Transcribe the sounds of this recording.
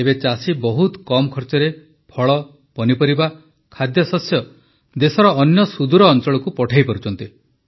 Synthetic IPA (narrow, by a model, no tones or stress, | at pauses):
ebet͡ʃasibɔɦut̪kɔmɔkʰɔɾt͡ʃɔɾe | pʰɔɭɔ | pɔnipɔɾiba | kʰad̪jɔsɔsjɔ | d̪esɔɾɔːnjɔsud̪uɾɔːnt͡ʃɔɭɔkupɔʈʰajpɔɾut͡ʃʰɔnt̪i